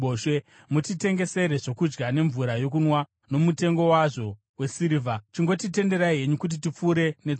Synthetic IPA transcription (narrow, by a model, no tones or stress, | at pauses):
oʃe | mutite̞ŋɡe̞se̞ɾeʐo̞kud͡ʒɡane̞ɱvuɾajo̞k̬unwa | no̞mute̞ŋɡo̞waʐo̞ | we̞siɾivʱat͡ʃiŋɡo̞tite̞nde̞ɾaiɦe̞ɲukut̬it̬ip͡fuɾe̞net͡s